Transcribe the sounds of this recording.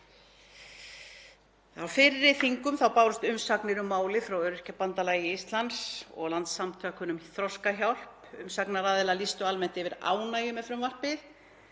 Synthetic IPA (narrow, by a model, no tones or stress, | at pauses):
awfɪɾːɪθiŋkʏmθawpaːwɾʏst̪ʏmsaknɪɾʏmːaːwlɪfɾawœɾʏr̥capant̪alaːjɪist̪lansɔ̰ɣlant̪sːamt̪ʰœːhkʏnʏmθɾɔskaçjawr̥pʏmsaknaɾaːðɪlalist̪ʏalmɛn̥t̪ɪvɪɾa̰ːwnaːjʏmɛfɾʏmvar̥pɪ